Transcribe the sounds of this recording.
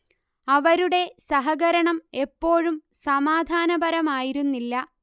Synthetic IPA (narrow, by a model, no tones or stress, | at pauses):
ɐʋɐɾuɽe̞sɐɦɐɡɐɾɐɳɐme̞pːo̞ːɻumsɐmaːd̪ʱaːnɐbɐɾɐmaːjiɾunːilːɐ